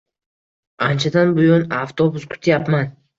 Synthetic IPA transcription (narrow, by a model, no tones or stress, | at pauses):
ant͡ʃʰad̪anbʊjonaft̪ʰobʊskʰʊ̥t̪ʰjapman